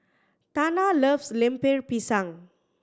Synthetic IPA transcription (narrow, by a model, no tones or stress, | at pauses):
t̪analəfslɛ̃mpeɹpisãŋ